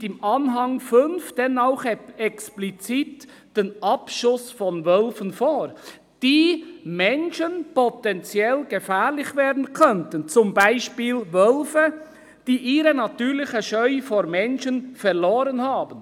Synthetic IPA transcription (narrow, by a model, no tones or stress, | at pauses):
ɪmʔɑnɦɑŋfʏnfd̥ɛnaʊxɛksplit͡siːt | d̥enʔɑpʃʊsfɔnvœlfənfoːɾ | d̥iːmɛnʃənpɔtɛnt͡sjɛlɡ̥əfɛːɾlɪçveːɐdn̩kʰœntənt͡sʊmbaɪʃpiːlvœlfə | d̥iːʔiːɾənatyːɾlɪçəʃœʏfoːɾmɛnʃənfɛʁloːɾənhaːbən